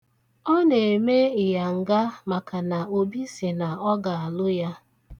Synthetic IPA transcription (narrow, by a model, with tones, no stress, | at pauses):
ɔ˦ne˨e˨me˦ɪ˨ja˨ŋ̩˨ɡa˦ma˨ka˨na˨o˨bi˦sɪ˨na˨ɔ˦ɡa˨a˨lʊ˦ja˦